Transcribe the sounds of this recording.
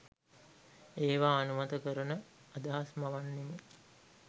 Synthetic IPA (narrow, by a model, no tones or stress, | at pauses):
eːʋaːnumɐt̪əkəɾənəad̪aɦasmaʋanːeme